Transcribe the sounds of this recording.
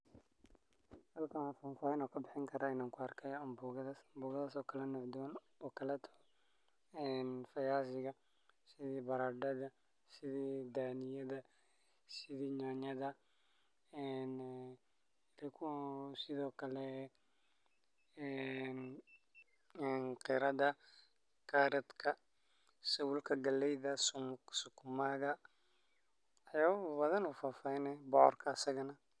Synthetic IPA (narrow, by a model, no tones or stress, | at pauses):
hɐlkʰahɐfɐnfaːɪnɔːkʰɐbɪħɪŋkʰɐɾaːɪnaːŋkʰʊɐrkʰɛjɐmbuɣɐðɐsmbuːɣɐðasɔːkʰɐlɛnɔʕd̪ʊwn | ɔːkʰɐlɛt̪ʰɔ̥ | ɛːnfɐjaːsɪɣɐ | sɪðiːbɐɾaːɖɐðɐ | sɪðiːd̪aːnɪjɐðɐ | sɪðiːɲaːɲɐðɐ | ɛn | kʰʊsɪðɔːkʰɐlɛ | ɛn | ɛːnqɪɾɐðɐ | kʰaɾɛd̪kʰɐ | sɐwʊlkʰɐɡɐlɛjðɐssʊkʰʊmaðɐ | ɐjaːβbɐðɐnuːfaːfɐjnɛbɔʔɔrkʰɐːsɐɣɐnɐ